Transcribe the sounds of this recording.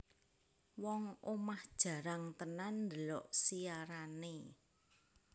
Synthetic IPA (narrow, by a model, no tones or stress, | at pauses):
wɔŋomahd̥ʒ̥ä̤ɾaŋt̪ənanːd̪ə̤lɔʔsiaɾane